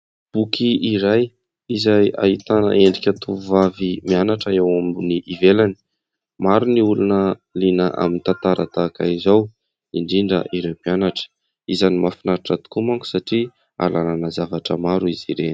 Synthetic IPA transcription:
b̥ukʰiːɾaj | izaja̰it̪anə̰ʔeɳɖ͡ʐikʲat̪uvavimianaʈ͡ʂəewaminiʔivelani̥ | maɾuniulunəlinəʔa̰minit̪ant̪aɾat̪aka̰izaw | iɳɖ͡ʐiɳɖ͡ʐə̰ʔiɾewpianaʈ͡ʂə̥ | izanimafinaɾiʈ͡ʂat̪u̥kumaŋku̥saʈ͡ʂi | a̰lananəzavaʈ͡ʂəmaɾuiziɾeni̥

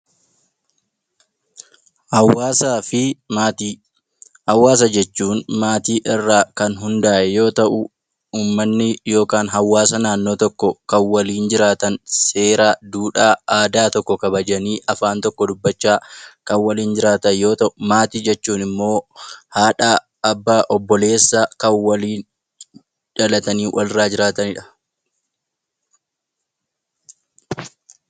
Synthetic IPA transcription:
hɐwaːsaːfɪ | hɐwːaːs̬ɐd͡ʒɛt͡ʃːuːnmaːt̪iːʔɪrːaːkɐnɦʊnd̪aːʔɛjo̞ːt̪ɐʔʊ | uːmːɐnːɪjo̞ːkaːnɦɐwːaːsɐnaːnːo̞ːt̪ɔkːɔkɐnwɐliːnd͡ʒɪɾaːt̪ɐnse̞ːɾaːd̪uːᶑaːaːd̪aːt̪ɔkːɔkɐbɐd͡ʒɐniːʔɐfaːnt̪ɔkːɔd̪ʊbːɐt͡ʃːaːkɐnwɐliːnd͡ʒɪɾaːt̪ɐnjo̞ːt̪ɐʔʊmaːt̪iːd͡ʒɛt͡ʃːuːnɪmːo̞ːhaːᶑaː | ɐbːaːʔɔbːɔle̞ːsːakɐnwɐliːn | ᶑɐlɐt̪ɐniːwʔɐlɾaːd͡ʒɪɾaːt̪ɐnɪᶑɐ̥

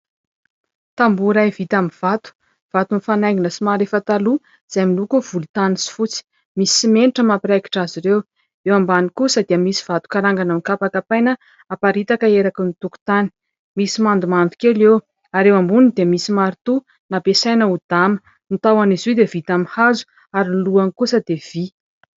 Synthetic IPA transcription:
t̪ambuɾajvit̪amiv̥at̪u̥ | v̥at̪unifanajɡinəsimaɾefət̪alu | z̥ajmilukuv̥ulut̪anisi̥fut͡si̥ | misi̥simeniʈ͡ʂəmapiɾaki̥ʈ͡ʂaziɾew | ewambanikusad̪iamisi̥v̥at̪u̥kaɾaŋɡananikapakapajnə | apaɾit̪akəeɾakunit̪uku̥t̪ani̥ | misimand̪umand̪u̥kelew | aɾewambunid̪emisimaɾit̪u | napesajnəud̪̥amə̥ | nit̪awanizid̪evit̪amihazu̥ | aɾinluanikusəd̪ev̥i

